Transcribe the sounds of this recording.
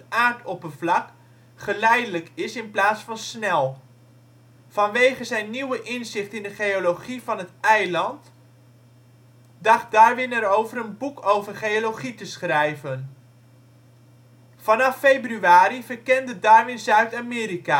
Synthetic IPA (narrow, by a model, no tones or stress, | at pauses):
aːɹtʰɔpənvlɑk | χəlɛjdələkɪsɪnplaːtsfɑnsnɛlˠ | fɑnʋejχəzɛjnːiwəʔɪnzɪχtɪndəχejolowχivɑnɦətɛjlɑnt | dɑχt̚daːɹʋɪnɛɾowvəɾənbukʰowvərχejoloχitəsχrɛjvən | fɑnɑfːejbryaːɾivərkɛndədaːɹʋɪnzœɥtaːmɪːɾika